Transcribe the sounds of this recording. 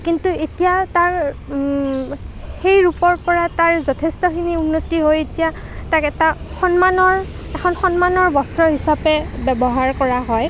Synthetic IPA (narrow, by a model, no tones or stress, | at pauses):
kintuetijataɹ | xejɹupɔɹpɔɹataɹzɔtʰestɔxʰiniunːotiɦojetija | takɛta | xɔnmanɔɹ | ɛxʰɔnxɔnmanɔɹbɔsɹɔɦisapɛbɛbɔɦaɹkɔɹaɦɔj